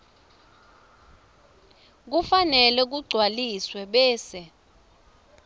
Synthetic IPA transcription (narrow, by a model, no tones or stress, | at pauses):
k̬ufanɛlɛk̬uɡ͡ǀʱwaliswɛɓɛːsɛ